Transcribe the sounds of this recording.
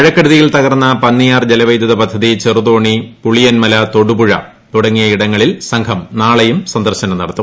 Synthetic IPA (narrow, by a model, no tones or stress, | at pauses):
ɐɻɐkːɐɽuðijilt̪ɐɣɐrnːɐpɐnːijaːrd͡ʑelɐʋɐjd̪ɐðɐpɐd̪ʱːɐðit͡ɕeruðo̞ːɳipuɭijɐnmɐlɐt̪o̞ɽubuɻɐ̰ | t̪uɽɐŋːijɐiɽɐŋːɐɭilsɐŋkʰɐmnaːɭejumsɐnd̪ɐrɕɐnɐmnɐɽɐt̪ːu